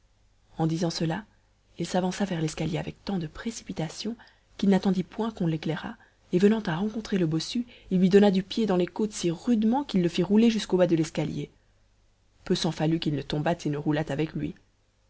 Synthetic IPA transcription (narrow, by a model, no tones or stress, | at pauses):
ɑ̃d̪izɑ̃səla | ilsavɑ̃savɛʁlɛskaljeavɛk̚t̪ɑ̃d̪əpχesi̥pit̪asjɔ̃ | kilnat̪ɑ̃d̪ipwɛ̃kɔ̃leklɛʁa̰ | evənɑ̃t̪aʁɑ̃kɔ̃t̪χeləbɔsyilːɥid̪ɔnad̪ypjed̪ɑ̃lekot̪siʁyd̪mɑ̃kilːəfiʁuleʒyskobad̪əlɛskalje | pøsɑ̃falykʲilnət̪ɔ̃bat̪ʰenəʁulat̪avɛklɥḭ